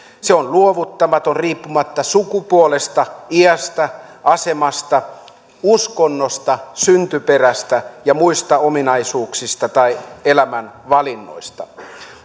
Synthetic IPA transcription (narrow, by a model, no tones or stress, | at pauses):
seonluoʋut̪ːɑmɑt̪onriːpːumɑt̪ːɑsukupuolest̪ɑiæst̪æʔɑsemɑst̪ɑ | uskonːost̪ɑsynt̪yperæst̪æjɑmuist̪ɑominɑisuːksist̪ɑt̪ɑielæmænʋɑlinːo̰ist̪ɑ